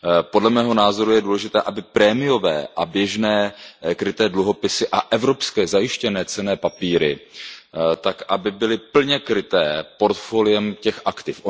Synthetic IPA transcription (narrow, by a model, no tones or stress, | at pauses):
po̞dlɛmɛːɦo̞naːzo̞ɾujɛduːlɛʒɪt̪ɛːʔabɪpɾɛːmɪjo̞vɛːʔabjɛʒnɛːkɾɪt̪ɛːdluɦo̞pɪsɪʔaʔɛvɾo̞pskɛːzajɪʃcɛnɛːt͡sɛnɛːpapiːɾɪ | t̪akʔabɪbɪlɪpl̩ɲɛkɾɪt̪ɛːpo̞ɾt̪folɪjɛmcɛxʔakt̪ɪfʔo